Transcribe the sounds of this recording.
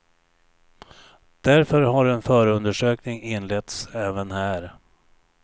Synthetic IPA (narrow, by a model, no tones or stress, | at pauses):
d̪̥æɾfœɾɦaɾɛnfœːɾəɵnd̪əʂøːknɪŋɪnːlɛt̪sɛːvənhæːɾ